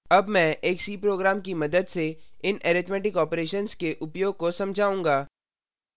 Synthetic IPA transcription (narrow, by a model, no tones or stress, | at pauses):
ɐbmɛ̃ʔeːksiːpɾoːɡɾaːmkimɐd̪əd̪seɪneːɾɪt̪mɛːʈɪkɔːpɾeːʃənskeʔʊpjoːɡ̚kosɐ̃md͡ʒʱaːũːŋɡaː